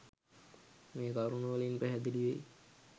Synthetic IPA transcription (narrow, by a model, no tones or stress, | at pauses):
meːk̪aɾunəʋəlinpæɦɛd̪iliʋej